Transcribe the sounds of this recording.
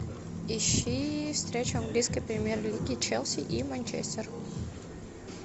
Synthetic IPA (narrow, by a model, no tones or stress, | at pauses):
ɪɕːifst̪ɾʲet͡ɕʊɐŋɡlʲijskəjpɾʲɪmʲjerlʲiɡʲɪt͡ɕɛlˠsʲɪʔimənʲt͡ɕḛsʲt̪ʲɪr